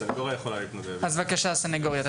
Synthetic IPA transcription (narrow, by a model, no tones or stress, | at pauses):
saneɡoʁjajeχolaliːt̪mod̪eazvakaʃasaneɡoʁjat̪